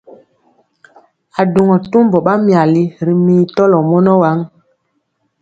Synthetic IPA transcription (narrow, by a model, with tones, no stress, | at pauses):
a˨du˨ŋɔ˨tu˦m˦bɔ˨ɓa˦mja˨li˦ɾi˨miː˨tɔ˦lɔ˨mɔ˦nɔ˦wa˨˦ŋ